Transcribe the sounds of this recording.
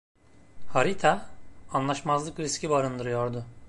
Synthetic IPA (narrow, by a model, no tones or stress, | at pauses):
haɾit̪ʰaːnlˠaʃmazlˠɯkɾiscʲibaɾɯnd̪ɯɾɯjo̞ɾd̪ʊ